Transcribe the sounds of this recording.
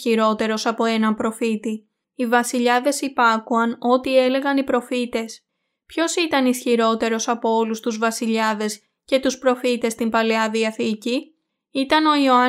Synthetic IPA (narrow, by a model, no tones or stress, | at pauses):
iɾo̞t̪e̞ɾo̞sɐpo̞e̞nɐmpɾo̞fit̪i | ivɐsiʎɐðe̞sipɐkuɐno̞t̪ie̞le̞ɣɐnipɾo̞fit̪e̞s | pço̞sit̪ɐnisçiɾo̞t̪e̞ɾo̞sɐpo̞o̞lust̪uzvɐsiʎɐðe̞s | ce̞t̪uspɾo̞fit̪e̞st̪imbɐleɐðiɐθici | it̪ɐno̞ioɐ